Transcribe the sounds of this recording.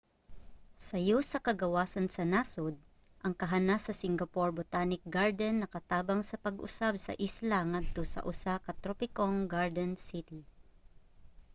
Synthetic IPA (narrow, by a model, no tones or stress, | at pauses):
sɐjosɐkɐɡɐwaːsɐnsɐnaːsod̪̚ | ʔɐŋkɐɦanasɐsɪŋɡɐpoɹbot̪aːnɪk̚ɡaɹd̪ɛnːɐkɐt̪aːbɐŋsɐpɐɡʔʊ̰sabsɐ̰ʔislaŋad̪̚t̪osɐ̰ʔʊsakɐt̪ɾopɪkoŋɡaɹd̪ɛnsɪt̪i